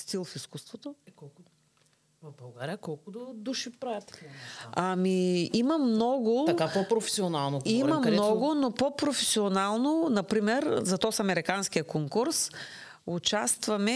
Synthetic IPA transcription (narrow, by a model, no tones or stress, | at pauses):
st̪ilˠfiskust̪vot̪oɛkɔlˠk | vɐvbɐlˠɡaɾijəkɔlˠkʊd̪od̪uʃipɾavɛt̪ | ɐmiimɐmnɔɡʊt̪ɐkapopɾofɛ̥sionalˠnokimɐmɐd̪ɛɔɡʊnopopɾofɛsionalˠnonɐpɾimɛɾzɐt̪ɔsɐmɛɾikansk̟ijəkoŋkuɾs | ʊt͡ʃast̪vɐmɛ